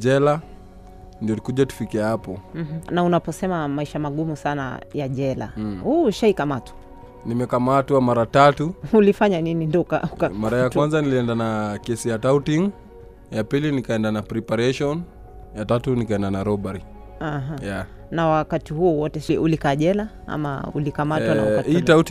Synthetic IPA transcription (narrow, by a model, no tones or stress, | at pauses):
d͡ʒɛla | ndiɔlikuʄatu̥fikiahapɔm̩h̩naunapɔsɛmamaiʃamaɠumusana̰jaʄɛla̰huːʃaikamatwḁ | nimɛkamatwamaɾatatuulifaɲaninindɔka̰ukamaɾajakwanzaniliɛndanakɛsijatautiŋ | japilinikaɛndanapɾɛpaɾɛʃɔn | jatatunikaɛndanaɾɔɓaɾi | aɦaja | nawakatihuɔwɔtɛsiulikaʄɛla | a̰ma̰ṵlikamawaaakahiːtaut